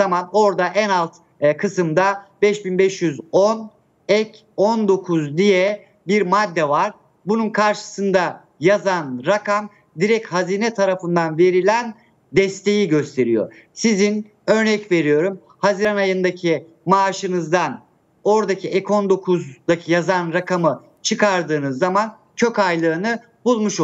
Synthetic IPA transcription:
zamano̞ɾd̪aʔænalˠt̪ | kʰɯsɯmd̪abɛʃbinbɛʃjyzon | ɛc | ond̪o̞kʰuzd̪ijɛ | biɾmad̪ːɛvaɾ̥ | bununkʰaɾʃɯ̥sɯnd̪a | jazanɾakʰam | d̪iɾɛchaziːnɛt̪ʰaɾafɯnd̪anve̞ɾilʲæn | d̪ɛst̪ʰe̞jiɟø̞st̪ʰe̞ɾijo̰sizin | ø̞ɾnɛcve̞ɾijo̞ɾum | haziɾanajɯnd̪acʰi | maːʃɯnɯzd̪an | o̞ɾd̪acʰiʔɛko̞nd̪o̞kʰuzd̪acʰijazanɾakʰamɯ | t͡ʃʰɯkʰaɾd̪ɯːnɯzːaman | cʰøkajlˠɯːnɯ | bulˠmuʃ

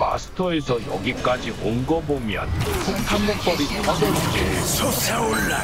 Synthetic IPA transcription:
ma̰sʰɯ̥tʰʌesʰʌjʌ̰ɡik͈ad͡ʑiʔonɡʌbomjʌ̰ntʰok̚tʰamːok̚p͈ʌɾitʰasoɡe

